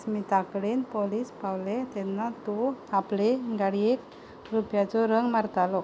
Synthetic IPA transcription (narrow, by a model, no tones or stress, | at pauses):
miːt̪akɽenpɔliːspawlɛt̪ɛnːat̪ɔapleɡaɽiek | ɾupjat͡sɔɾəŋɡmaɾt̪alɔ